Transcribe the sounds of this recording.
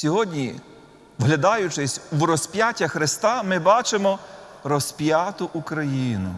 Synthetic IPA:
sʲɔɦɔdʲnʲi | ʋɦlʲɐd̪ɑjʊt͡ʃɪsʲwrɔsʲpʲjatʲːɐxɾɪst̪ɑmɪbɑt͡ʃemɔ | ɾɔspʲjat̪ʊʔukɾɐjinʊ̰

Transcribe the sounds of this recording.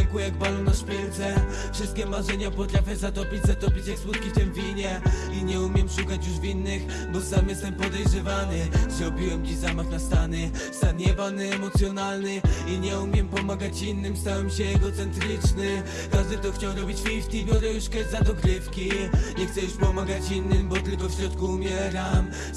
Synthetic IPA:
ɛkujaɡ̚balɔ̃w̃naʂpʲɛlt̪sɛ | fʂɘst̪̚kʲɛmaʐɛɲapɔt̪ɾafʲjɛzat̪ɔpʲid͡ʑzat̪ɔpʲit͡ɕjakswut̪kʲift̪ɛmvʲiɲɛ | iɲɛumʲjɛmʂukat͡ɕjuʐvʲinːɘx | bɔsamjɛst̪ɛmpɔd̪ɛjʐɛvanɘzɾɔbʲiwɛmt͡ɕizamaxnast̪anɘ | sad̪ɲɛbanɛɛmɔt̪sʲjɔnalnɘiɲɛumʲjɛmpɔmaɡat͡ɕinːɘmst̪awɛmɕɛːɡɔt̪sɛnt̪ɾɘt͡ʂnɘ | ɾaʐd̪ɘt̪ɔxt͡ɕawɾɔbʲit͡ɕfʲift̪imʲɔɾɛjuʂkɛzad̪ɔkɾɘfkʲiɲɛxt̪sɛjuʂpɔmaɡat͡ɕinːɘmbɔt̪ɘlkɔfɕɾɔt̪kuːmʲjɛɾam

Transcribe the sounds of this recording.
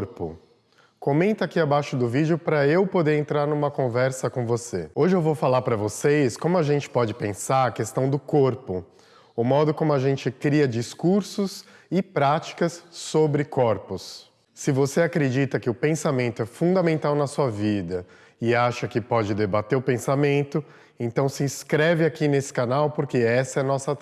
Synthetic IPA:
ɾpʊ̰ | komẽnt̪ɐakiabajʃʊd̪ʊvid͡ʒɪʊpɾɐewpod̪eɾẽnt̪ɾaɾnũmɐkõvɛɾsɐkõvoseoʒɪewvowfalaɾpɾɐvosejskõmʊaʒẽnt͡ʃɪ̥pɔd͡ʒɪpẽsaɾɐkest̪ɐ̃w̃d̪ʊkoɾpʊ | ʊmɔd̪ʊkõmʊaʒẽnt͡ʃɪkɾiɐd͡ʒiskuɾsʊs | ɪpɾat͡ʃi̥kɐsːobɾɪkʰɔɾpʊsː | ɪvoseakɾed͡ʒit̪ɐkɪʊpẽsamẽnt̪ʊɛfũd̪amẽnt̪awnɐsuɐvid̪ɐ | ɪaʃɐkɪpɔd͡ʒɪd̪ebat̪eɾʊpẽsamẽnt̪ʊ | ẽt̪ɐ̃w̃sɪĩskɾɛvɪakinesɪ̥kanawpoɾkeɛsɐɛnɔsɐ

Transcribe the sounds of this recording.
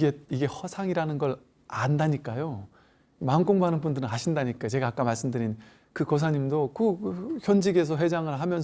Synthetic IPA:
ɡeiɡe̞hʌsʰaŋiɾanɯnɡʌɾ | andaɲik͈ajo | mank͈oŋbɦanɯnbundɯɾɯnaɕʰindaɲik͈at͡ɕe̞ɡaːk͈amaɭs͈ɯmdɯɾin | kɯkʌs̬ʰaɲimdokɯçjʌnd͡ʑiɡe̞s̬ʰʌɸwed͡ʑaŋɯɭɦamjʌn

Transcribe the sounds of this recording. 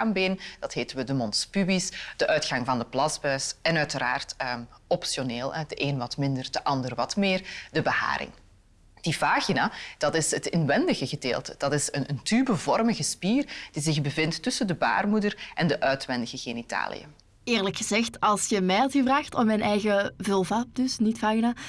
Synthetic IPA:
aːmbeːnd̥ɑtɦeːtənʋədəmɔnspybisd̥əʔœɥtxɑŋvɑndəplɑzbœːsɛnœɥtəɾa̰ːrtːɔpsjoneːlˠɛdəʔeːnʋɑtmɪndərdəʔɑndərʋɑtmɪːrdəbəha̰ːɾɪ̰ŋ | d̥ipaːxinad̥ɑtɪsətɪnʋɛndəɣəɣədeːlˠtəd̥ɑtɪsənəntybəvɔrməɣəspiːrd̥izɪxbəvɪntːɵsəndəba̰ːrmudərʔɛndəʔœɥtʋɛndəɣəɣeːnita̰ːlḭjə̰ | ɪːrləkxəzɛxtɑlˠsjəmɛjlˠtyvraːxtɔmmɛjnɛjɣəvɵlˠvaːp̚dɵsnitfaːɣina

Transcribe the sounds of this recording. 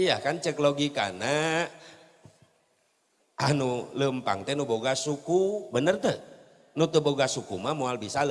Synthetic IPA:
ija̰kant͡ʃəkloɡika̰na | anuləmpa̰ŋt̪ɛnuboɡasukubənərt̪ə | nut̪əboɡasukumamualbisal

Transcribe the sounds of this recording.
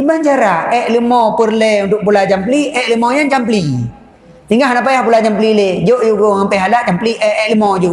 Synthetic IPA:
ibaɲt͡ʃaɾaɛʔlumɔpərlɛunt̪ʊʔ̚pulad͡ʒampliʔɛʔləmojant͡ʃampəli | t̪iŋaɦnap̬ajahpulat͡ʃampəliled͡ʒoʔd͡ʒuɡohampɛɦalaʔt͡ʃampliʔɛʔɛʔləmod͡ʒu

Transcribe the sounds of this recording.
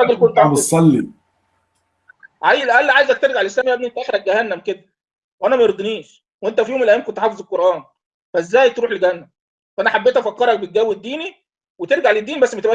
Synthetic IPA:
ɑɡelkont̪besˤːɑlːi | ʕajelæʔælːiʕajezæk̚t̪eɾɡaʕlʔeslæːmiʔæbniʔent̪æʔexlæk̚ɡæhænːæmked̪æ | weʔænæmæjeɾɡ̪eniːʃ | weʔent̪æfijoːmelʔææːmkont̪eħɑːfezˤel̚qoɾˤʔæːn | fæezːæːjt̪ɾuːħlɡæhænːæm | fæʔænæħabːeːt̪æfækːɑɾˤɑk̚bet̪̚ɡæwːed̪ːiːni | wet̪eɾɡaʕled̪ːiːnibæsːmet̪ebʔæ

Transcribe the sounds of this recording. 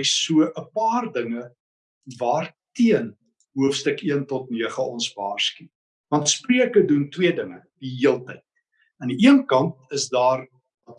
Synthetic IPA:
suəʔəpɑːrdəŋə | vɑːrtiən | ɦuəfstəkiəntɔtniəχəɔnsvɑːrski | vɐntspriəkəduntwiədəŋə | d̥iɦiəlˠtɛjt̚ | ɐniʔiənkɐnt̚əsdɑːr | ɐt

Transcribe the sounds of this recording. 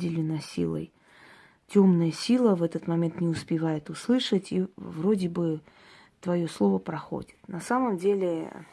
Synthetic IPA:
dʲɪlʲɪnəsʲḭlˠə̰j | tʲomnəjəsʲilˠəvɛt̪ət̪mɐmʲe̞nt̪nʲɪʊspʲɪvajɪt̪ʊslˠɨʂətʲivrodʲɪbɨ | t̪vɐjo̞slˠo̞vəpɾɐxo̰dʲɪ̥t̪nɐsaməmdʲelʲɪ

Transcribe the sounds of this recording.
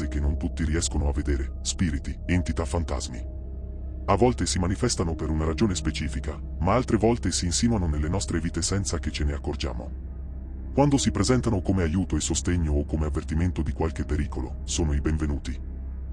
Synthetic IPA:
ek̟enːont̪ut̪ːiɾiɛskonoavːed̪eːɾe | spiːɾit̪ient̪it̪afːant̪a̰zmḭ | avːɔlt̪esimanifɛst̪anopeɾunaɾad͡ʒoːnespet͡ʃiːfika | maalt̪ɾevɔlt̪esiːnsinuanonelːenɔst̪ɾeviːt̪esɛnsaket͡ʃeneakːord͡ʒa̰ːmo̰ | kwand̪osipɾezɛnt̪anokomeajuːt̪oesːost̪eɲːoːkːomeavːert̪iment̪od̪ikwalk̟epːeɾiːkolo | soːnoibeɱvenuːt̪i

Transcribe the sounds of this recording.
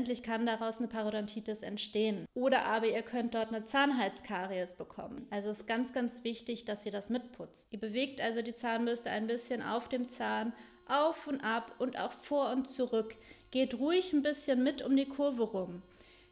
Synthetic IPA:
ntlɪçkʰandaʁaʊsnəpʰaʁodantʰiːtɪsɛ̰ntʃteːənʔoːɾɐʔaːbɐiːɐkʰœnt̚d̥ɔɐtnət͡saːnɦaɪt͡skʰaːʁiosb̥əkʰɔ̰mənʔalzoɪstɡ̥ant͡sɡ̥ant͡sv̥ɪçtɪçd̥asz̥iːɐdasmɪt̚pʰʊt͡stʔiːɐbəveːk̚tʔalzodiːt͡saːnmʏstəa̰ɪnbɪsçənʔa̰ʊfd̥eːmt͡saːn | ʔaʊfʊntʔapʔʊnta̰ʊxfoːɐʊntt͡suʁʏkɡ̥eːtʁuːɪçn̩bɪsçənmɪtʊ̰mdiːkʰʊɐvəʁʊm

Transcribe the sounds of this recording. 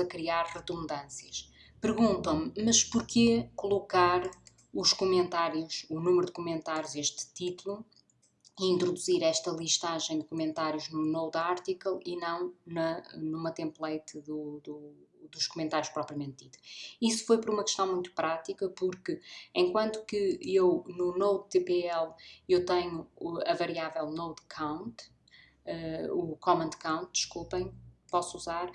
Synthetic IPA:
ɐkɾiaɾʁɨðũnd̪ɐ̃sjɐʃ | pɨɾɣũnt̪ɐ̃w̃mmɐʃpuɾkekulˠukaɾ | uʃkumẽnt̪aɾjuʃunumɾud̪ɨkumẽnt̪aɾjuzeʃt̪t̪it̪ulˠu | iĩnt̪ɾuðuziɾɛʃt̪ɐlˠiʃt̪aʒẽj̃d̪ɨkumẽnt̪aɾjuʒnunowd̪aɾt̪ikɐlˠinɐ̃w̃nɐnumɐt̪ẽmplˠɐjt̪ðud̪ud̪uʃkumẽnt̪aɾjuʃpɾɔpɾiɐmẽnt̪̚ðiðuisu̥fojpɔɾumɐkɨ̥ʃt̪ɐ̃w̃mũj̃t̪u̥pɾat̪ikɐpuɾkɨẽj̃kwɐ̃nt̪u̥kɨewnunowd̪t̪epeɛlˠewt̪ɐɲuuɐvɐɾiavɛlˠnowd̪kʰãw̃nt̪ | ɛukɔmɐ̃nd̪kãw̃nt̪̚d̪ɨʃkulˠpɐ̃j̃pɔsuzaɾ

